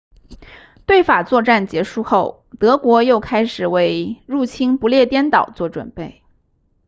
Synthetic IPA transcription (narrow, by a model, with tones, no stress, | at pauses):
t̪we˥˩ɪfa˨˩t͡swɔ˥˧ʈ͡ʂa˥˩nt͡ɕjɛ˧˥ʂu˥˧xo˥˩ʊ | t̪ɤ˧˥kwɔ˧˥jo˥˩ʊkʰa˥ɪʂɻ̩˨˩we˧˥ɪɻu˥˩t͡ɕʰi˥npu˧˥ljɛ˥˧t̪jɛ˥nt̪ɑ˨˩ʊt͡swɔ˥˩ʈ͡ʂwə̰˨˩npe˥˩ɪ